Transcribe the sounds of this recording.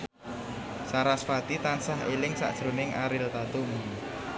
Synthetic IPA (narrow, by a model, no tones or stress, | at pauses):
saɾasfat̪it̪ansaɦelɪŋsa̰ʔd̥ʒ̥ɾonɪŋʔaɾɪlt̪at̪umu